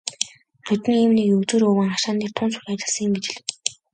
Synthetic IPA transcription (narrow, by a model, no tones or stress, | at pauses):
χɵt̪̆niːmnikɵt͡suːɾɵːwɘ̆ŋaʃaːniːrt̪ʰʊːnt͡sʊ̥xʲat͡ɕɪ̆ɮsə̆ŋɪ̆mɡet͡ɕɪ̆ɮ̆